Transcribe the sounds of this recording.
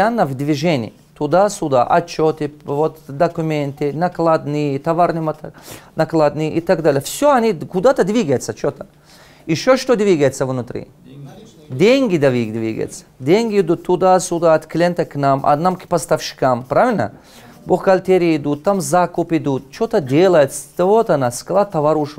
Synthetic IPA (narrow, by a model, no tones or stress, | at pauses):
anːɐvd̪vʲiʐenʲɪ̰ː | t̪ʊd̪asʊd̪a̰ʔɐt̪t͡ʃot̪ɪvot̪d̪ɐkʊmʲent̪ɪnɐklˠad̪nɨjt̪ɐvaɾnɨmɐt̪nɐklˠad̪nɨʔit̪aɡd̪alʲɪjəfsʲoɐnʲikʊd̪at̪ɐd̪vʲiɡɐjt̪sɐt͡ʃot̪ɐ̥ | ɪʃoʃt̪od̪ʲvʲiɡɐjt̪sɐvnʊt̪ɾʲḭ | d̪ʲeŋʲɡʲɪd̪ɐvʲiɡd̪vʲiɡə̰jɪ̰t̪sɐ̥d̪ʲeŋʲɡʲɪɪd̪ut̪ʰːʊd̪asʊd̪aɐt̪klʲent̪ɐknamʔɐ̰namkpɐst̪ɐfʃɪ̥kampɾavʲɪlʲnə̰ | boxkɐlʲt̪ʲeɾʲiɪd̪ut̪ːamzakʊpɪd̪ut̪t͡ʃot̪əd̪ʲelˠɐjɪt̪st̪ɐvot̪ɐnaskɐlˠat̪ːɐvaɾuʂ